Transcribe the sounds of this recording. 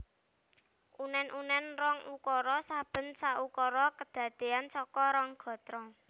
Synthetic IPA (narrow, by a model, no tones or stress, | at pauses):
ʔunɛnʔunɛnrɔŋukɔɾɔsab̥ə̤nsaʔukɔɾɔkəd̪̥ä̤d̪̥e̤ansɔkɔɾɔŋɡ̥ɔ̤t̪ɾɔ